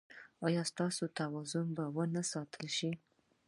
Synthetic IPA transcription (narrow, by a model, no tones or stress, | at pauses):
ɑjɑst̪ɑsot̪awɑzʊmbawənasɑt̪ʰəlʃi